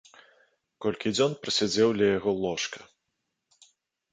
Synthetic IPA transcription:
kɔlʲkʲid͡zʲɔnpɾɐsʲad͡zʲɛwlʲɐjaɣɔlˠɔʂkɐ̥

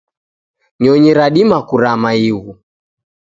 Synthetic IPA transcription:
ɲɔɲiɾaɗimakuɾamaiɣu

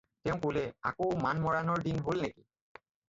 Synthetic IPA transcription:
t̪ɛʊ̃kolea̰kowmanmɔɹanɔɹdinɦolneki̥

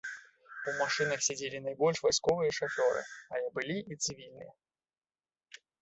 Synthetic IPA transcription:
umaʂɨnɐxsʲad͡zʲelʲinajbɔlʲʂvajskɔvɨjɐʂafʲɔɾɨ̰ajɛbɨlʲiʔit̪sɨvʲilʲnɨ̰jɛ

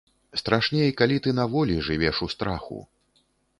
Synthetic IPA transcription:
st̪ɾaʂnʲejkalʲit̪ɨnavɔlʲiʐɨvʲɛʂust̪ɾaxṵ

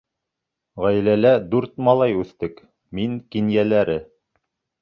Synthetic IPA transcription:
ʁæjlælæd̪ʉɾt̪mɑlˠɑjʉθt̪ɘk | miŋkinjælæɾɘ

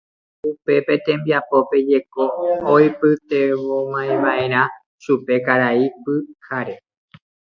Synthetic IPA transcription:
upe̞pe̞t̪ẽ̞mbiapo̞pe̞d͡ʒe̞ko̞ojpɨt̪e̞ʋomãẽʋaʔẽ̞ɾ̃ã | ʃupe̞kaɾaipɨkʰaɾe̞

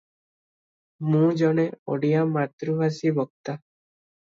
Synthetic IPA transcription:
mũd͡ʒɔɽ̃eo̰ɽijamat̪ɾubasibɔk̚t̪a

